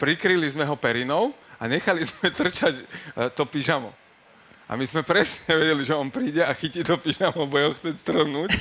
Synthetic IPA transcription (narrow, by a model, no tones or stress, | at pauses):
pɾikɾilizmɛɦɔpɛɾinɔʊaɲɛxalizmɛt̪r̩t͡ʃact̪ɔpiʒamɔ̰ | ʔa̰mizmɛpɾɛsɲɲɛʋɛɟɛliʒɛɔnpɾiːɟɛaxicit̪ɔpiʒamɔbɔjɛɦɔxt͡sɛcst̪r̩nuːc